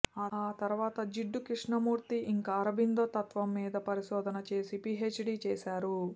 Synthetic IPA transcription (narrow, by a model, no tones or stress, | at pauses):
aːaːt̪ɐɾʋaːt̪ɐd͡ʒiɖːukɾiʂɳɐmuːɾt̪iʔiŋkɐːɾɐbind̪oːt̪ɐt̪ʋɐmːiːd̪ɐpɐɾiʃɔːd̪ʱɐnɐt͡ʃe̞ːsipiːɦeːt͡ʃːɖiːt͡ʃɛːsaːɾu